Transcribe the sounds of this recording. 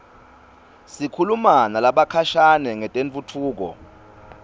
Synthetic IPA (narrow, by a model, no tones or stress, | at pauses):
sikʰulumanalaɓakʰaʃanɛŋɛtʼeɱt͡fʼutʰuːk̬ɔ̰